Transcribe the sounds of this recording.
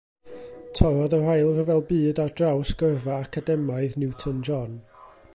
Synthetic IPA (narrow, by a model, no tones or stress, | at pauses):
tʰɔvɔðərajlˠrəvɛlˠbɨːdardrawsɡ̥əvaːkʰadɛmajðnɪwtʰənd͡ʒɔn